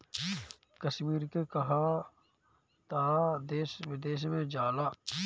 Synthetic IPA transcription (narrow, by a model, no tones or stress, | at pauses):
kəʃmiːɾkekɐɦa | t̪aːd̪eːsʋɪd̪eːʃ̬mẽd͡ʒaːlaː